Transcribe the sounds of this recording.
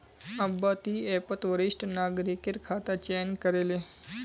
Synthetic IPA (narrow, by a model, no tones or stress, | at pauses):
ɐbat̪iːepət̪ʋəɾiʂʈnaːɡɾikeɾkʰat̪at͡ɕenkəɾele